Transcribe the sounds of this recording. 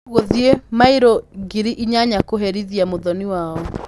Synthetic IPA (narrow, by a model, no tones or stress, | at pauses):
oðiemaiɾoɡiɾiʔiɲaɲakoɦeɾiðiamoðɔniwaːɔ